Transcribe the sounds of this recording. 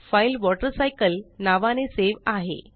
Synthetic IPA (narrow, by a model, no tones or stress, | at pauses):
failʋɔʈəɾsajkəlnaʋaneseʋaɦḛ